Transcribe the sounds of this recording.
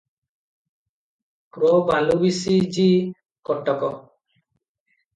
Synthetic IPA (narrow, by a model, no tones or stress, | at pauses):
kɾɔbalubisid͡ʒi | kɔʈːɔkɔ